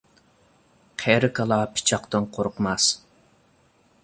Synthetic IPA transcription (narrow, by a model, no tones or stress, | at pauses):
qʰɛɾɪkʰɑlˠɑpʰɪ̥t͡ʃʰɑqt̪ɨnqʰoɾqmɑs